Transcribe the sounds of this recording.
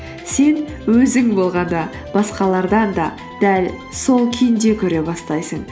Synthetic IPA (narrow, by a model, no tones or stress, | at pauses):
se̞n | wɵzɪŋbo̞lˠʁɑnd̪ɑ | b̥ɑsqɑlˠɑɾd̪ɑnd̪ɑ | d̪̥æl | so̞lˠkʲʰejnd̪e̞kʲʰɵɾe̞bɑst̪ɑjsəɴ